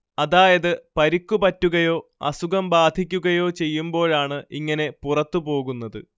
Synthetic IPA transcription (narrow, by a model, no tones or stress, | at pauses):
ɐðaːjɐðɨpɐɾikːupɐtːuɣɐjo̞ːɐ̰suɣɐmbaːd̪ʱikʲːuɣɐjo̞ːt͡ɕe̞jːumbo̞ːɭaːɳɨiŋːɐne̞purɐt̪ːupo̞ːɣunːɐðɨ